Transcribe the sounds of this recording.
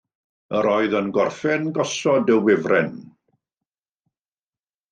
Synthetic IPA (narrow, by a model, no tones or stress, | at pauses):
əɾɔɨðənɡɔrfɛnɡɔsɔdəwwɪvrʔɛn